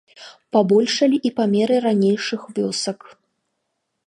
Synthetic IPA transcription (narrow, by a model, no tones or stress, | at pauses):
pabɔlʲʂɐlʲiʔipamʲɛɾɨɾanʲejʂɨxvʲɔsɐk